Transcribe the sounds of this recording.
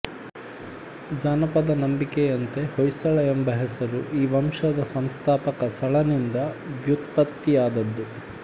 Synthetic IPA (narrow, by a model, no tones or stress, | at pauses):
d͡ʒaːnɐpɐd̪ɐnɐmbikejɐnt̪e̞hojsɐɭɐjembɐɦɛsɐɾuʔiːʋɐmʂɐd̪ɐsɐmst̪ʰaːpɐkɐsɐɭɐnind̪ɐʋjut̪̚pɐt̪ːijaːd̪ɐd̪ːu